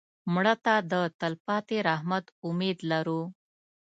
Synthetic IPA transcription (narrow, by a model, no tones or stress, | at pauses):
mɽət̪ad̪ət̪əlpɑt̪eɾaɦmat̪ʊmed̪laɾu